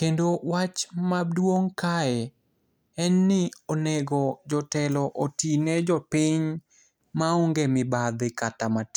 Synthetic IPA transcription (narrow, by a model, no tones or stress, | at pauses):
kendowat͡ʃmadwoŋkaɛ | ɛnːɪonɛɡɔd͡ʒɔtɛlɔʔotinɛd͡ʒɔpɪɲ | maoŋɡemɪbad̪ɪkatamat